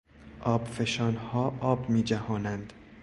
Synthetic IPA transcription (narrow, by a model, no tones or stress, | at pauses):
ʔɒːbfe̞ʃɒːnhɒːʔɒːbmiːd͡ʒæhɒːnænd̪̥